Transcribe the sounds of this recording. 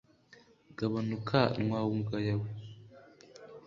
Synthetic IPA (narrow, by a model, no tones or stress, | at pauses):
ɡaβanukʰanŋwaːwuŋɡajawu